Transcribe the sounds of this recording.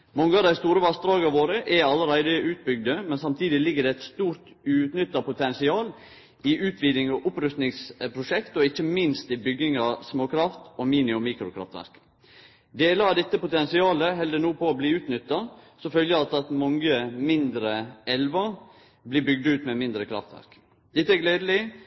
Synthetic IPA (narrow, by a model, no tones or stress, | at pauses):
mɔŋːəɑʋd̪æɪst̪uːɾəʋɑst̪ɾɑːɡɑʋoːɾəʔɛɑlːəɾæɪd̪əʔʉːt̪̚bʏɡ̚d̪əmɛnsɑmt̪ʰiːd̪ɪlɪɡːəd̪ɛæt̪st̪uːɾt̪ | ʉːt̪nʏt̪ːɑpʊt̪ʰɛnsɪɑːl | ɪʔʉːt̪ʰʋiːd̪ɪŋɑʔʊpɾʉst̪nɪŋspʰɾʊʂɛkt̪ɔɪçːəmɪnst̪ɪbʏɡɪŋɑsmoːkʰɾɑft̪ɔmiːnɪʊmiːkɾʊkʰɾɑ̰ft̪ʋæ̰ɾk | d̪eːləɑd̪ɛt̪ːəpʊt̪ɛnsɪɑːləɦɛld̪ənuːpʰɔːbliːʉːt̪nʏt̪ːɑsɔfœljəɑt̪ːɑt̪mɔŋəmɪnd̪ɾəɛlʋɑ | bliːbʏɡ̚d̪ʉːt̪mɛmɪnd̪ɾəkʰɾɑ̰ft̪ʋæ̰ɾk | d̪̥ɛt̪ːəæɡleːd̪əlɪ